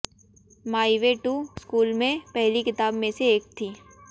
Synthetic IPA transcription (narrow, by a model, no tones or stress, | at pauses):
maːiʋeʈuskuːlmẽpɛɦlikɪt̪aːbmẽseeːk̚t̪ʰiː